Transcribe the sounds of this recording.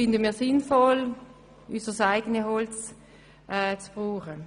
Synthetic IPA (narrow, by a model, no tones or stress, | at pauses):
fɪndəmiːɐsɪnfɔl | ysəsaɪɡ̥ənəhɔlt͡s | ʔɛːt͡sb̥ʁuːχə